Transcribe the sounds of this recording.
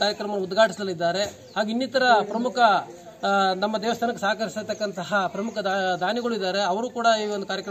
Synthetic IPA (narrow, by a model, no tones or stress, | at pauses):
kaːɾjɐkɾɐmɐnɐud̪ɡʱaːʈʰisd̪ɐlːid̪ːaːɾe̞ | haːɡinːiːt̪ɐɾɐpɾɐmukʰɐ | nɐmːɐd̪ɛːʋɐst̪ʰaːnɐkːesaːkɐɾisit̪ɐkːɐnt̪ɐɦɐpɾɐmukʰɐd̪ad̪ʱaːniɡɐɭuid̪ːaːɾe̞ɐʋɐɾuːkuːɽɐiːond̪ukaːɾjɐkɐ